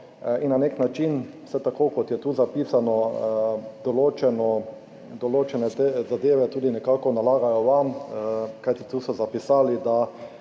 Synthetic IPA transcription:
innːaneknat͡ʃin | sɛt̪akoːkɔt̪jɛt̪uːzapiːsanɔ | d̪̥ɔloːt͡ʃɛnɔ | d̪ɔloːt͡ʃɛnɛt̪ezad̪eːʋɛt̪uːd̪inɛkakɔnalaːɡajɔʋamkajt̪it̪uːsɔzapisaːlid̪a

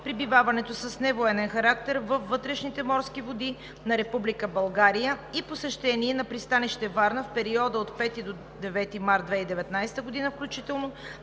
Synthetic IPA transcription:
pɾibivavɐnɛt̪osəsnɛvoɛnɛnxɐɾak̚t̪ɛɾvəfːɤt̪ɾɛʃnit̪ɛmɔɾskivod̪i | nɐɾɛpublikəbɐlˠɡaɾijəiposɛʃt̪ɛniɛnɐpɾist̪aniʃt̪ɛvaɾnəfpɛɾiɔd̪əot̪pɛt̪id̪o | d̪ɛvɛt̪imaɾd̪d̪vɛid̪ɛvɛt̪najst̪əɡod̪inəfklʲut͡ʃit̪ɛlˠno

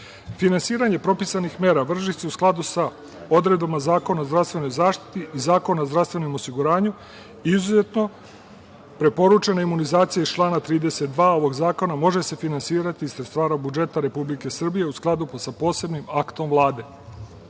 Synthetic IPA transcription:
finansiːɾaɲe̞pɾo̞pisanixme̞ːɾaʋr̩ʒise̞usklˠad̪usa | o̞d̪ɾe̞d̪bamazaːko̞naozd̪ɾast̪ʋe̞no̞jzaːʃt̪i̥t̪iʔizaːko̞naozd̪ɾafst̪ʋe̞nomosiɡuɾaːɲu | izuze̞t̪no̞ | pɾe̞po̞ɾut͡ʃe̞naimunizaːt̪sijaist͡ʃlˠaːnat̪ɾiːd̪e̞se̞t̪̚d̪ʋaːo̞ʋo̞ɡzaːko̞namo̞ʒe̞se̞finansiːɾat̪iːsɾest̪ʋaːɾabud͡ʒe̞t̪aɾe̞publike̞sr̩bije̞usklˠad̪upsapo̞ːse̞bnimakt̪o̞mvlˠaːd̪e̞

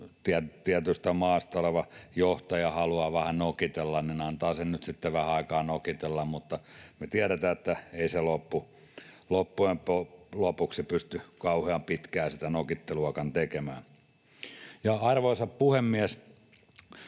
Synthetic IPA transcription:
t̪iætt̪iæt̪yst̪æmɑːst̪ɑoleʋɑjoht̪ɑjɑhɑluɑːʋæhænokit̪elːɑnninɑnt̪ɑːsennyt̪sit̪ːeʋæhæɑikɑːnokit̪elːɑmmut̪ːɑmet̪iæɾæt̪æːet̪ːæeiselopːu | lopːuempolopuksipyst̪ykɑuheɑmpit̪kæːsi̥t̪ænokit̪ːeluɑkɑnt̪ekemæː | jɑɑrʋoisɑppuhemːiæs

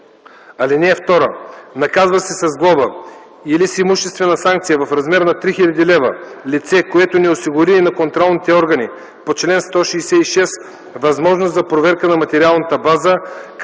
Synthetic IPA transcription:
ɐlinɛft̪ɔɾənɐkazvɐsɛsɐzɡlˠɔbə | ilisimuʃt̪ɛst̪vɛnɐsaŋk̚t̪sijəvɐfɾɐzmɛɾnɐt̪ɾixilʲɐd̪ilɛvə̰lit̪sɛkoɛt̪onɛosiɡʊɾiːnɐkont̪ɾɔlˠnit̪ɛɔɾɡɐni | pot͡ʃlɛnst̪ɔʃiːsɛiʃɛs | vɐzmɔʒnoszɐpɾovɛɾkənɐmɐt̪ɛɾialˠnət̪əbazək

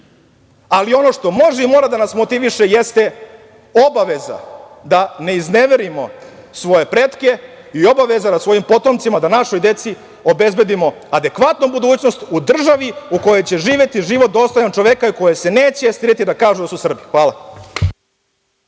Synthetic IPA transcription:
alio̞no̞ʂt̪o̞mo̞ʒeimo̞ːɾad̪anasmo̞t̪iʋiʃe̞jest̪e̞ | o̞baʋe̞za̰ | d̪ane̞izne̞ʋe̞ɾimo̞sʋo̞je̞pɾet̪ke̞ | io̞baʋe̞zanasʋo̞jimpo̞t̪omt̪simad̪anaʃo̞jd̪e̞t̪si | o̞be̞zbe̞d̪imo̞ | ad̪e̞kʋat̪nubud̪uːt͡ɕno̞st̪ud̪r̩ʒaʋiuko̞jo̞jt͡ɕe̞ʒiːʋje̞t̪iʒiːʋo̞t̪̚d̪o̞st̪o̞jant͡ʃo̞ʋekaiko̞jese̞ne̞ːt͡ɕest̪iɾet̪id̪akaːʒud̪asusr̩bixʋaːla

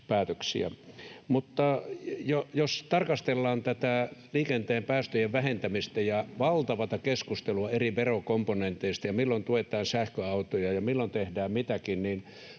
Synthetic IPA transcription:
pæːt̪øksḭæ̰mut̪ːɑjojost̪ɑrkɑst̪elːɑːnt̪æt̪æliːkent̪eːmpæːst̪øjeʋʋæhent̪æmist̪æjɑʋɑlt̪ɑʋɑt̪ɑkeskust̪eluɑeriʋerokomponent̪eist̪ɑjɑmilːont̪uet̪ˑɑːnsæhkøɑut̪ojɑjɑmilːont̪ehdæːmmit̪ækinnin

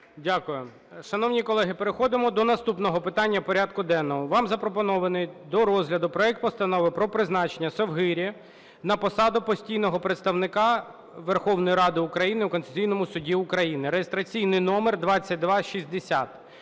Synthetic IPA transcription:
dʲakʊjʊ | ʃɐnɔʋnʲikɔlˠɛɦɪpeɾɪxɔd̪ɪmɔd̪ɔnɐst̪upnɔɦɔpɪt̪ɑnʲːɐpɔɾʲad̪kʊd̪ɛnːɔɦɔʋɑmzɐpɾɔpɔnɔʋɐnɪjd̪ɔɾɔzɦlʲɐd̪ʊpɾɔɛk̚t̪̚pɔst̪ɐnɔʋɪpɾɔpɾɪznɑt͡ʃenʲːɐsɔwɦɪɾʲ | nɐpɔsɑd̪ʊpɔsʲtʲijn̪ɔɦɔpɾet̪st̪ɐʋnɪkɑ | ʋerxɔwn̪ɔjiɾɑd̪ɪʊkɾɐjinɪukɔnt̪ezʲijn̪ɔmʊsʊdʲiʊkɾɐjinɪɾejest̪ɾɐt͡sʲijnɪjnɔmerd̪ʋɑt͡sʲːɐt̚ʲd̪ʋɑʃizʲd̪esʲat̪

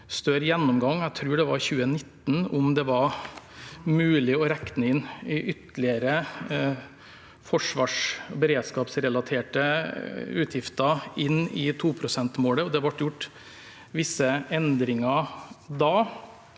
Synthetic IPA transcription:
st̪œɾjɛnːʊmɡɑŋːæɡt̪ʰɾʉːɖɛʋɑɾçʉːənɪt̪ːn̩ɔmd̪ɛʋɑɾ | mʉːlɪɔɾɛknəɪnːɪʔʏt̪lɪəɾə | fɔʂʋɑːʂbɛɾeːd̪skɑːpsɾɛlɑt̪ʰeːʈə | ʉːt̪ʰjɪft̪ɑɪnːɪ̰t̪ʰuːpʰɾʊsɛnt̪moːləɔd̪ɛʋɑʈːjʊʈː | ʋɪsːəɛnd̪ɾɪŋɑd̪ɑː

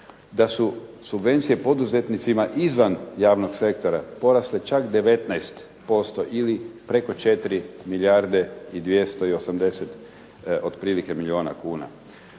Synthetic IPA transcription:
d̪asusubʋe̞nt̪sije̞po̞d̪uze̞t̪nit̪simaʔizʋanjaːʋno̞ɡse̞kt̪o̞ɾapo̞ɾaslet͡ʃakd̪e̞ʋe̞t̪najst̪ | po̞st̪o̞ʔilipɾe̞ko̞t͡ʃe̞t̪ɾimiljaɾd̪eid̪ʋje̞st̪o̞io̞samd̪e̞set̪ | od̪pɾiːlike̞milʲio̞ːna̰kuːna̰

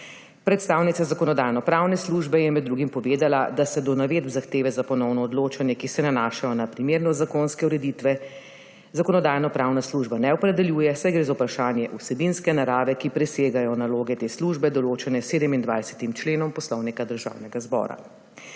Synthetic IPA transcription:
pɾɛt̪st̪aːwnit̪sazakɔnɔd̪aːjnɔpɾaːwnɛsluːʒbɛjɛmɛd̪d̪ːɾuɡimpɔʋeːd̪alad̪asɛd̪ɔnaʋeːd̪bzaxt̪eːʋɛzapɔnɔwnɔːd̪loːt͡ʃanjɛkisɛnanaːʃajɔnapɾimeːɾnɔzakoːnskɛuɾɛd̪iːt̪ʋɛ | zakɔnɔd̪aːjnɔpɾaːwnasluːʒbanɛɔpɾɛd̪ɛljuːjɛsajɡɾeːzaupɾaʃaːnjɛʔusɛbinskɛnaɾaːʋɛkipɾɛseːɡajɔnaloːɡɛt̪eːsluʒbɛd̪ɔloːt͡ʃɛnɛseːd̪ɛmind̪ʋa̰jsɛ̥t̪imt͡ʃleːnɔmpɔslɔwnikad̪əɾʒa̰ːwnɛɡazbɔ̰ːɾa̰

